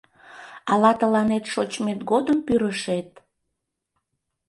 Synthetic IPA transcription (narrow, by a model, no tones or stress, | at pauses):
ɑlɑt̪əlɑnet̪ʃot͡ɕmet̪ɡod̪əmpyɾəʃet̪̚